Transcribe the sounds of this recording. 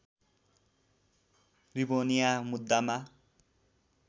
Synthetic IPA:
ribonijamud̪ːama

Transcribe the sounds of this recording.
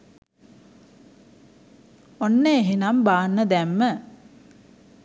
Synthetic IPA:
onːeːɦinambaːnːəd̪æmːə

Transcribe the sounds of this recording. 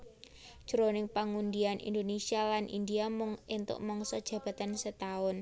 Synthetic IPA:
d̥ʒ̥əɾonɪŋpaŋund̪ianʔḭnd̪onesialanʔḭnd̪iamʊŋent̪ʊ̰ʔmɔŋsɔd̥ʒ̥ä̤b̥a̤t̪ansət̪aʊn

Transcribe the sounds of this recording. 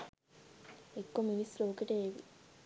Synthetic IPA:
ekːomiisloːkeʈeːʋi

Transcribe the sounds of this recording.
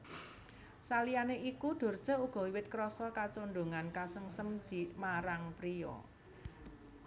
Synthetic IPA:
salijaneʔikuɖ̪̥o̤r̥ʒ̥a̤uɡ̥ɔ̤wiwɪt̪̚kɾɔsɔkat͡ʃonɖ̪o̤ŋankasəŋsəmd̪̥i̤maɾaŋpɾiɔ̰

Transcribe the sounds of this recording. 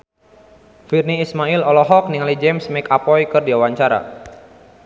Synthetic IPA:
firniːsmailɔlɔɦɔk̚niŋalid͡ʒɛmsmɛkapɔjkɨrdiawaɲt͡ʃaɾa̰

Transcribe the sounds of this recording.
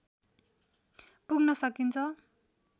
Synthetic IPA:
puɡnʌsʌkint͡sʰʌ

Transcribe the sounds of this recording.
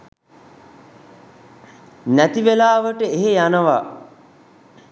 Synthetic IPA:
næt̪iʋelaːʋəʈəeɦejanəʋa̰

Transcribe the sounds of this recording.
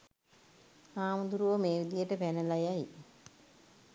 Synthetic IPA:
aːməd̪uɾuʋəmeːʋid̪ijəʈəpænəlajaj

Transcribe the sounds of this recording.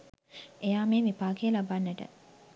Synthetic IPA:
ejaːmeːʋipaːkejlabanːəʈə̰

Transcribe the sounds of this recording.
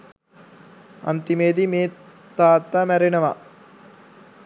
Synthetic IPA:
ɐ̰nt̪imeːd̪imeː | t̪aːt̪ːamæɾenɐʋa

